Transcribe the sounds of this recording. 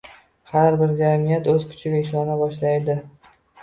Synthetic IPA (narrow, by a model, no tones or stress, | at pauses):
haɾbɪɾd͡ʒamijat̪ɵzkʰʊ̥t͡ʃʰɪɡʲaɪʃ̬ɒnabɒʃlajd̪ɪ